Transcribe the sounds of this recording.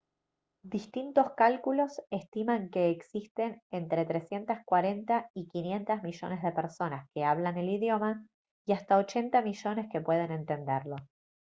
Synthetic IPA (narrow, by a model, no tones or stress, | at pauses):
d̪ist̪int̪o̞skalkulo̞se̞st̪imaŋke̞ːksist̪e̞nent̪ɾet̪ɾe̞sje̞nt̪askwaɾe̞nt̪aikinje̞nt̪azmiʒo̞̰ne̞zðe̞peɾso̞naske̞aβlane̞liðjo̞ma | iast̪ao̞t͡ʃe̞nt̪amiʒo̞ne̞ske̞pwe̞ð̞e̞ne̞nt̪e̞nd̪eɾlo̞